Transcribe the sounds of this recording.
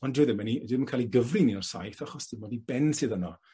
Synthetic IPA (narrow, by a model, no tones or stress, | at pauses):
ɔndwiðɪmɛnidiðmənkʰaːlˠiɡəvriniɔrsa̰jθaχɔsd̥ʰɪmɔdibɛnsɨːðənɔ